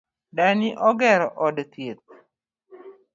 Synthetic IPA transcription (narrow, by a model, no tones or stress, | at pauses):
daniʔɔɡɛɾɔʔɔdt̪jet̪̚